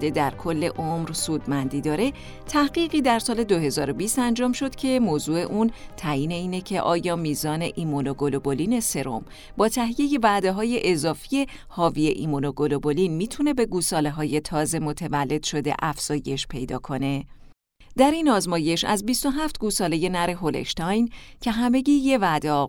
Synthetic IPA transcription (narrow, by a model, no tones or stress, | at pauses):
d̪e̞d̪æɾkʰo̞lːe̞̰ʔomɾsuːd̪mænd̪iːd̪ɒːɾe̞ | t̪ʰæhɢiːɣiːd̪æɾsɒːle̞d̪o̞ɦe̞zɒːɾo̞biːst̪ænd͡ʒɒːmʃo̞d̪̥cʰe̞moːzuːe̞ʔuːnt̪ʰæjiːne̞iːne̞cʰe̞ʔɒːjɒːmiːzɒːne̞ʔimonoɡoloboliːne̞se̞ɾo̞̰m | bɒːt̪ʰæɦije̞je̞væʔd̪eɦɒːje̞ʔezɒːfije̞ | hɒːvie̞ʔḭmonoɡo̞lo̞bo̞linmiːt̪ʰune̞be̞ɡuːsɒːleɦɒːje̞t̪ʰɒːze̞mo̞t̪ʰevælːe̞d̪̥ʃo̞d̪ḛʔæfz̥ɒːje̞ʃpʰe̞̰jd̪ɒ̰ːkʰo̞ne̞ | d̪̥æɾinɒːzmɒːje̞ʃæ̰zbist̪o̞ɦæft̪ɡuːsɒːle̞je̞næɾe̞ɦo̞lḛʃt̪ɒjncʰe̞ɦæme̞ɟiːjevæd̪e